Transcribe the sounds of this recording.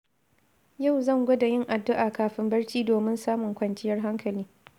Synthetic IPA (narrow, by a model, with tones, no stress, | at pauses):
ja˦˨wzɐ˦˨ŋɡʷɐ˦da˨jɪ˦ŋʔa˨dːʊ˦ʔaː˨kaː˨ɸɪ˦mbɐ˦rt͡ʃiː˦doː˨mɪ˦nsaː˦mʊ˨ŋkʷɐ˨nt͡ʃɪ˦jɐ˦rɦa˦ŋkɐ˨liː˦